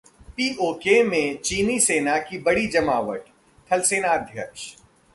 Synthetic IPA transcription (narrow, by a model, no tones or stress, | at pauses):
piːʔoːkemẽt͡ʃiːniseːnakibɐɽid͡ʒɐmaːʋəʈ | t̪ʰɐlseːnad̪ʱjɐkʃ